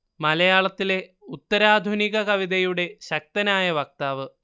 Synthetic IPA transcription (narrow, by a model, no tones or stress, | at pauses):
mɐlɐjaːɭɐt̪ːile̞ | ut̪ːɐɾaːd̪ʱuniɣɐkɐʋiðɐjuɽe̞ɕɐk̚t̪ɐnaːjɐʋɐk̚t̪aːʋɨ